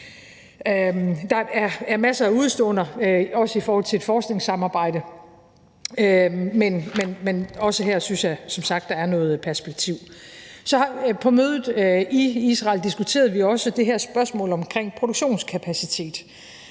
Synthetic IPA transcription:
d̥ɑ̈æɐæɐmæsɐæuð̞ˠsd̥ɔ̰̽ːnɐɒ̽səifɒːhɒ̽l̰t͡sʰe̝ed̥fɒːsɡ̥ne̝ŋsɑ̈mɑ̈ːb̥ɑ̈ɪ̰d̥ə | menmenmenɒ̽səɦeɐ̰synsjɑ̈sɒ̽msɑ̈ɡ̥d̥ɑ̈æɐnɔ̽ːð̩ˠpʰæɐsb̥e̝ɡ̥̚t͡sʰiʊ̰sɒ̽pʰɒ̽møːðˠð̩ˠiisʁɑ̈ːld̥isɡ̥ut͡sʰe̝̰ːɐð̞ˠʋiɒ̽səd̥e̝ɦeɐ̰sb̥ɶɐsmɔ̰̽ːlɒ̽mkʰʁeŋ̰pʰʁo̝d̥oɡ̥ɕo̝̰ːnskʰæpʰæsit͡sʰe̝̰ːd̥

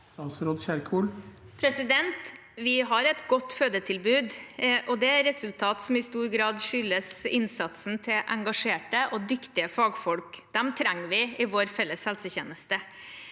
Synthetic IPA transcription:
ɑsɾɔːd̪ɕæɾkʰuːl | pʰɾɛsɪd̪ɛnt̪ | ʋɪɦɑɾɛt̪ɡɔt̪ːføːd̪ət̪ʰɪlbʉːd̪ʔɔd̪ɛæɾɛsʉlt̪ʰɑːt̪sɔmɪst̪uːɾɡɾɑːd̪ʂʏlːəsɪnsɑt̪sn̩t̪ʰɪlʔɛŋɡɑʂeːʈəʔɔd̪ʏkt̪ɪəfɑːɡfɔlkd̪̥ɛmt̪ʰɾæŋːʋɪɪʋoːɾfɛlːəshɛlsəçeːnəst̪ə

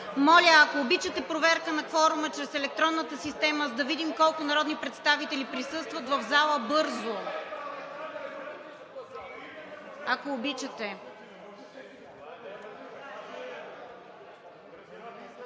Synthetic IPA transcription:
mɔlʲəːkoːbit͡ʃɐt̪ɛpɾovɛɾkənɐfɔɾʊmət͡ʃɾɛsɛlɛk̚t̪ɾɔnːət̪əsist̪ɛməzɐd̪ɐvid̪imkɔlˠkʊnɐɾɔd̪nipɾɛt̪st̪avit̪ɛlipɾisɤst̪vət̪vɐvzalˠəbɤɾzo | akoːbit͡ʃɐt̪ɛ

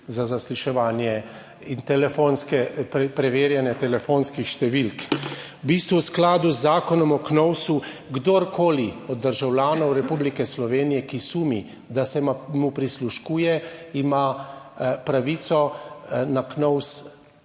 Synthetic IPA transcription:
zazasliʃɛʋaːnjɛ | int̪ɛlɛfoːnskɛpɛpɾɛʋeːɾjɛnjɛt̪ɛlɛfonskixʃt̪ɛʋilkwbist̪ʋuwsklaːd̪uzːaːkɔnɔmɔknɔwsu | ɡd̪oɾkoːliɔd̪̚ːəɾʒawlʲjaːnɔwɾɛpublikɛslɔʋeːnijɛkisuːmi | d̪asɛmmupɾisluʃkuːjɛima | pɾaʋit̪sɔnaknɔws

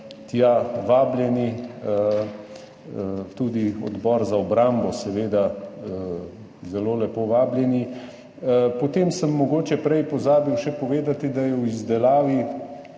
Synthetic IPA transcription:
t̪jaʋaːbljɛniə | t̪uːd̪iɔ̰d̪bɔːɾzaɔbɾambɔsɛʋeːd̪a | zɛloːlɛpoʋaːbljɛni | pɔt̪eːmsəmːɔɡoːt͡ʃɛpɾɛjpɔzaːbiwʃɛpɔʋeːd̪at̪id̪ajɛwizd̪ɛlaːʋi

